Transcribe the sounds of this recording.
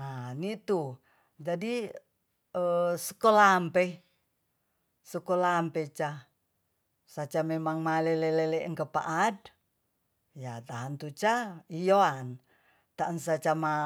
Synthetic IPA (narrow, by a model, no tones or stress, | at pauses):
anit̪u | d͡ʒadi | əsə̥kolampe | səkolampet͡ʃa | sat͡ʃamemaŋmaleleleleʔŋkəpa̰ʔad̚ | jat̪aɦant̪ut͡ʃaijoan | t̪aənsat͡ʃama